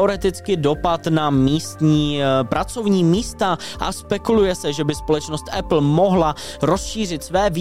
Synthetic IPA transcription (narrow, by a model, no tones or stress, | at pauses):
oɾɛt̪ɪt͡skɪdo̞pat̪namiːst̪ɲiːpɾat͡so̞vɲiːmiːst̪aʔa̰spɛkulujɛsɛʒɛbɪspo̞lɛt͡ʃnost̪ʔɛpl̩mo̞ɦla | ɾo̞sʃiːr̝ɪt̪svɛːv